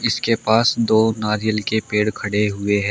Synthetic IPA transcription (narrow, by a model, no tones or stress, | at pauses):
ɪskepaːsd̪oːnaːɾɪjəlkepeːɽkʰɐɽeɦʊeɦɛ̃ː